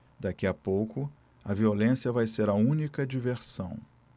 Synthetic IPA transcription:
d̪akiɐpowkʊ | ɐviolẽsiɐvajseɾɐũnikɐd͡ʒiveɾsɐ̃w̃

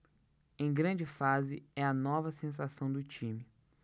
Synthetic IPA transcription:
ẽj̃ɡɾɐ̃d͡ʒɪfazɪɛɐnɔvɐsẽs̬asɐ̃w̃d̪ʊt͡ʃĩmɪ

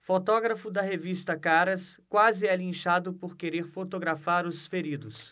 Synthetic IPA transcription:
fot̪ɔɡɾɐfʊd̪ɐɦevist̪ɐkaɾɐskwazɪɛlĩʃad̪ʊpoɾkeɾeɾfot̪oɡɾafaɾʊsfeɾid̪ʊs

